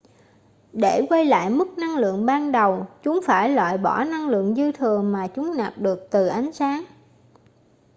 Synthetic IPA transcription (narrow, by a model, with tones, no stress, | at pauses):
ɗe˧˩kwə˧jla̰ː˧˨jmɨ˦˥k̚na˧ŋlɨ̰˧˨əŋɓaː˧nɗə˨˩wt͡ɕʊ˨˦ŋ͡mfaː˧˩jlwa̰ː˧˨jɓɔ˧˩na˧ŋlɨ̰˧˨əŋzɨ˧t̪ʰɨ˨˩əŋmaː˨˩t͡ɕʊ˨˦ŋ͡mnaː˨˩p̚ɗɨ˨˩ək̚t̪ɨ˨˩ʔa˨˦jŋ̟saː˨˦ŋ